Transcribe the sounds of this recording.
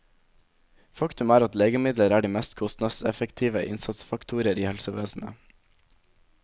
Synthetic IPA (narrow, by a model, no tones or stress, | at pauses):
fɑkt̪ʉmæːɾɑt̪leːɡəmɪd̪ləɾæːɖiːmɛst̪kʰɔst̪nɑsɛfəkt̪ʰiːʋəʔɪ̰nsɑt̪sfɑkt̪ʰuːɾɪəɾiːhɛlsəʋeːsn̩ə̰